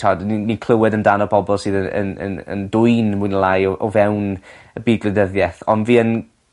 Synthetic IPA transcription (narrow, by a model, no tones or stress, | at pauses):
ɔdninikʰl̥ˠəwɛdəndanɔpʰɔbɔlˠsɨːðəə̰nə̰nə̰ndʊjnmʊjnəlˠajɔʔɔvɛwn | əbiːd̚ɡlɨdəðjɛθɔnviːən